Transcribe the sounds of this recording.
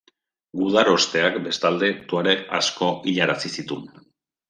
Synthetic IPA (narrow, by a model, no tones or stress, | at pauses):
ɡuð̞aɾo̞st̪e̞akbe̞st̪ald̪e̞t̪oaɾea̰sko̞ʔiʎaɾasisit̪un